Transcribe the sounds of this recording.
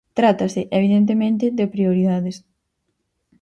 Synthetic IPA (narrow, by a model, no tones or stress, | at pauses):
t̪ɾat̪ɐsɪʔeβ̞iðent̪̬emẽnt̪̬ɪðepɾioɾiðaðɪs